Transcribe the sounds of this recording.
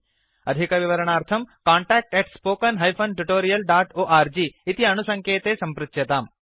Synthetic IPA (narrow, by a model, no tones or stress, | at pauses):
ɐd̪ʱikɐʋiʋɐɾɐɳaːɾt̪ʰɐmkaːɳʈaːk̚ʈeʈspoːkɐnɦɐjpʰɐnʈuʈoːɾijɐlɖaːʈoːʔaːɾd͡ʒiːt̪iɐnusɐŋkeːt̪eːsɐmpɾɐt̪jɐt̪aːm